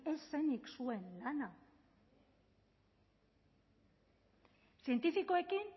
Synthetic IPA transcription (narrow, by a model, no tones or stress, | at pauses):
e̞sːeniksue̞nlana | sie̞nt̪ifiko̞e̞kin